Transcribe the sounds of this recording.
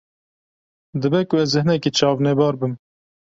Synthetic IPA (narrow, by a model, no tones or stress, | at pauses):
d̪ɨbɛkʊɛzːɨhnɛkit͡ʃʰɑːvnɛbɑːɾbɨm